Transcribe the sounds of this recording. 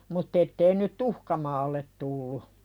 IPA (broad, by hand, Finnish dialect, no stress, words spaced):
mutː etːei nyt tuhkɑ mɑːlːet tulːu